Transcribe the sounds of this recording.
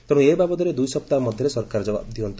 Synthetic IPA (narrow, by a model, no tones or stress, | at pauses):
t̪ɔɽ̃ũebabɔd̪ɔɾed̪ujsɔp̚t̪amɔd̪ʱjɔɾesɔɾkaɾɔd͡ʒɔba̰b̚d̪iɔnt̪i